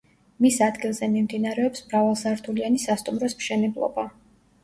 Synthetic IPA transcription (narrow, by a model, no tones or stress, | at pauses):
misad̪ɡilˠzɛmimd̪inaɾɛɔpsmɾavalˠsaɾt̪ʰulianisast̪ʼumɾɔsmʃɛnɛblˠɔ̰ba